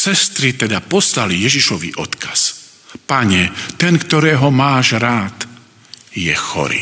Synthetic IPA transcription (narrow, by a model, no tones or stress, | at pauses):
sɛst̪ɾit̪ɛd̪apɔslalijɛʒiʃɔʋḭʔɔt̪kʰḁs | paɲɛt̪ɛnkt̪ɔɾɛːɦɔmaːʒɾaːt̪ | jɛxɔ̰ɾḭ